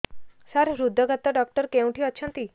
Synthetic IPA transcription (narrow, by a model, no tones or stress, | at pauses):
saɾɾud̪ʱːɔɡat̪ɔɖɔk̚ʈɔɾkẽw̃ʈʰiɔt͡ʃʰɔnt̪i